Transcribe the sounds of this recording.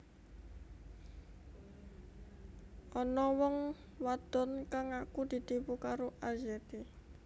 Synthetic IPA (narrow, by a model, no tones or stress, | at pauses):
ʔɔnɔwɔŋ | wad̪̥ɔ̤nkaŋakud̪̥i̤t̪ipukaɾoʔazɛt̪e